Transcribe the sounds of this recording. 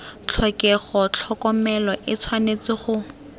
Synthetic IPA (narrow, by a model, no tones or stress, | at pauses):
t͡ɬʰɔkɛχɔt͡ɬʰɔkɔmɛlɔʔɪt͡sʰwanet͡sɪχʊ